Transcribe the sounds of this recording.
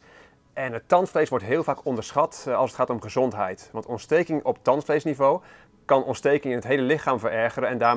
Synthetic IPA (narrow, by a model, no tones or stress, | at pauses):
ʔɛnɦətɑntflejsʋɔɹtɦɪːlˠvaːkɔndəɹsχɑtɑlˠsətχaːtɔmχəzɔntɦɛ̰jtʋɑntɔntstejkɪŋɔp̚tɑntflejsnivow | kɑnʔɔnstejkɪŋɪnətɦejləlɪχaːmvəɹɛɹχəɾənɛndaː